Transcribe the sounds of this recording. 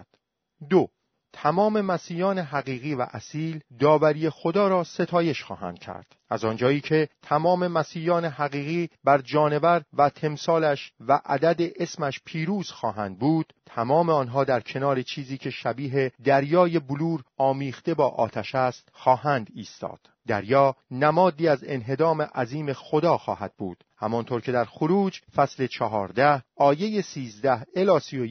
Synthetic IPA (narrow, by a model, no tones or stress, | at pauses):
d̪o | t̪ʰæmɒːme̞mæsiːjɒːne̞ɦæɣiːɣiːvæ̰ʔæsiːld̪ɒːvæɾiːjexo̞d̪ɒːɾɒːse̞t̪ʰɒːje̞ʃxɒ̰ːɦæ̰ːnd̪̥cʰæ̰ɾd̪̥ʔæzɒːnd͡ʒɒːiːcʰe̞t̪ʰæmɒːme̞mæsiːjɒːne̞ɦæɣiːɣiːbæɾd͡ʒɒːne̞væɾvæt̪ʰe̞msɒːlæʃvæʔæ̰d̪æd̪eʔesmæʃpʰiːɾuːz̥xɒːɦænd̪̚buːd̪̥t̪ʰæmɒːmeɒːnɦɒːd̪æɾcʰe̞nɒːɾe̞t͡ʃʰiːziːcʰe̞ʃæbiːɦe̞d̪æɾjɒːje̞buluːɾɒːmiːxt̪e̞bɒːʔɒ̰ːt̪ʰæʃæst̪xɒːhæːnd̪iːst̪ɒ̰ːd̪̥ | d̪æ̰ɾjɒːnæmɒːd̪iːæze̞̰nɦe̞d̪ɒːme̞ʔæziːmexo̞d̪ɒːxɒ̰ːhæd̪̥̚bṵːd̪̥hæ̰mɒnt̪ʰoːɾcʰe̞d̪æɾxoɾuːd͡ʒfæsle̞t͡ʃʰɒɦɒːɾd̪æhɒːje̞jesiːzd̪æhelɒːsio